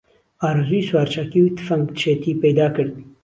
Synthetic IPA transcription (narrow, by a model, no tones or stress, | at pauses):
aːɾziːswaːɾt͡ʃʰakiwt̪ʰɨ̥fɐŋɡ̪t͡ʃʰeːt̪iːpɛjd̪aːkɨɾd̪̚